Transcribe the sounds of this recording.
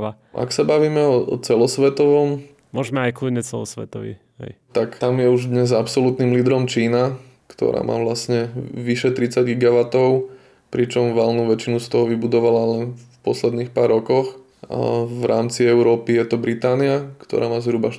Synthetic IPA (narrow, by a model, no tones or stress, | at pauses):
a | ʔa̰ksabaʋiːmɛɔt͡sɛlɔsʋɛt̪ɔʋɔm | mʊɔʒmɛajkluɲɛt͡sɛ̰lɔ̰sʋɛ̰t̪ɔʋḭ | hɛ̰jt̪akt̪amjɛuʒd̪ɲɛzapsɔlut̪niːmliːd̪ɾɔmt͡ʃiːna | kt̪ɔ̰ɾa̰ːmʔa̰ːʋlasɲɛʋiʃɛt̪ɾit͡saɟɡiɡaʋat̪ɔʊ | pɾit͡ʃɔmʋalnuʋɛt͡ʃinust̪ɔɦɔʋibud̪ɔʋalalɛnffpɔslɛd̪niːxpaːɾːɔkɔx | ʋɾaːmt͡siɛʊɾɔːpijɛt̪ɔbɾit̪aːniakt̪ɔ̰ɾaːmaːzɦɾubaʃ